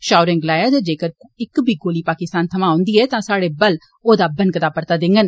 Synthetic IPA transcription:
ʃaːʊɾɛ̃ːŋɡlaːjaːd͡ʒ̪ed͡ʒeːkəɾɪkbʱiːɡoːliːpaːkɪst̪aːnt̪ʰəmãːõːnd̪iːɛːt̪ãːsaːɽeːbəl | oːd̪aːbənkət̪aːpəɾt̪aːd̪ɪ̃ŋɡən

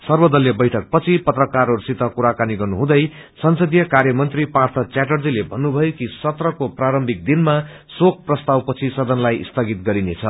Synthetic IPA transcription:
sʌrbʌd̪ʌljʌbʌjʈʰʌk̚pʌt͡sʰipʌt̪rʌkarɦoɾusit̪ʌkuɾakaniɡʌrnuɦũd̪ʌj | sʌnsʌd̪jʌkarjʌmʌnt̪ripart̪ʰʌt͡sjaʈ̬ʌrd͡zilebʱʌnːubʱʌjokisʌt̪rʌkopraɾʌmbʱik̚d̪inma | sok̚ʰprʌst̪awpʌt͡sʰisʌd̪ʌnlajḭst̪ʰʌɡit̪̚ɡʌɾinet͡sʰʌ

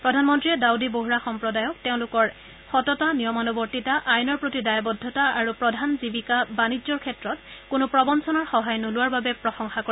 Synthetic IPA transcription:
pɹɔdʱanmɔntɹiɛdawdiboɦuɹaxɔmpɹɔdajɔk̚teʊ̃lʊkɔɹ | xɔtɔtanijɔmɔnɔbɔɹtitaʔajnɔɹpɹotidajabɔdʱːɔtaaɹupɹɔdʱanzibikabanizɔɹkʰɛtɹɔtkʊnʊpɹɔbɔnsʰɔnɔɹxɔɦajnolʊwaɹbabɛpɹɔxɔŋxako

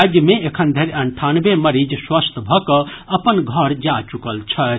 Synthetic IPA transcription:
d͡ʒjəmẽekʰənd̪ʱeɾɐɳʈʰanbeməɾid͡ʒswəst̪ʰbʱɔkəɐpənɡʱəɾd͡ʒat͡ʃukəlt͡ʃʰə

